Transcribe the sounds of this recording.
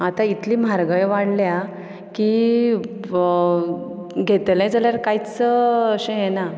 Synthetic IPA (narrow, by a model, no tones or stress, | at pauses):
at̪ait̪liːm̤aɾɡəjʋaɽlja | ki | ɡʱet̪lɛ̃d͡zaljaɾkajt͡səːɕẽjena